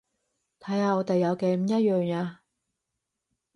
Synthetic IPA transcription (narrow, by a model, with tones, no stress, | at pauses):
t̪ʰɐ˨˥jaː˧ɔː˨˧t̪e˨jːɐ˨˧wke˨˧m̩˨˧˦jɐ˥t̚jœː˨ŋaː˧